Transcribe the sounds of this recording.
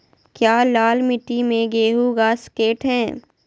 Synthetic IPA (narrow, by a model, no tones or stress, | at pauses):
kjaːlaːlmɪʈːimẽɡeːɦuɡaːskeːʈɦɛ̃ː